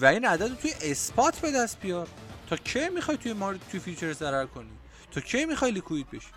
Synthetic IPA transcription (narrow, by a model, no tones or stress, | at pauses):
væiːnæd̪æd̪ot̪ʰujeʔespʰɒt̪ʰbe̞d̪æst̪̚bijɒːɾt̪ʰɒːt͡ʃʰemixɒjt̪ʰujemɒɾt̪ʰujefit͡ʃʰeɾzæɾæɾkʰo̞ni | t̪ʰɒːt͡ʃʰemixɒjlikʰuit̪̚be̞ʃi̥